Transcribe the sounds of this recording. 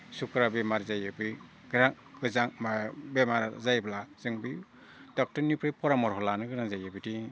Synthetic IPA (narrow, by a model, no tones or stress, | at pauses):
sukɯɾabemaɾzajɯbɯ | ɡɯɾaŋ | ɯzaŋmabemaɾzajblaz̥ɯŋbi | d̥ɔk̚tɔɾnipʰɾipʰɔɾamɔɾɦɔlanɯɡɯɾaŋzajɯbidi